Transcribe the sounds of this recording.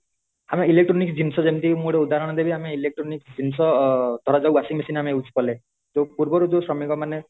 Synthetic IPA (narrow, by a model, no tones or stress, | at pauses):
ameilek̚ʈɾɔnikd͡ʒinsɔd͡ʒemt̪imuɽeud̪ʱaɾɔɽ̃ɔd̪ebiameilek̚ʈɾɔnikd͡ʒinsɔd̪ʱɔɾad͡ʒawbasiŋmesinameut͡ʃʰi̥pɔle | d͡ʒopuɾbɔɾud͡ʒosɾɔmiŋkɔmane